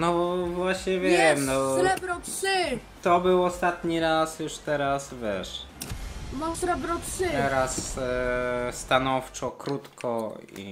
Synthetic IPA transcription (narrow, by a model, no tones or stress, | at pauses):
nɔvwaɕɲɛvʲjɛɛmnɔɾɛbɾɔtʂɪ | t̪ɔbɘwɔst̪at̪ɲiɾasjuʂt̪ɛɾasvʲjɛʂ | nɔsɾɛbɾɔtʂɘt̪ɛɾas | st̪anɔft͡ʂɔkɾut̪kʰɔḭ